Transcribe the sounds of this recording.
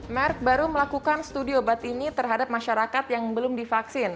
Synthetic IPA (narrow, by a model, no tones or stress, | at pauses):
mɛrk̚baɾuməlakukanst̪udiobat̪init̪ərɦadap̚maʃaɾakat̪jaŋbəlʊmdifaksɪn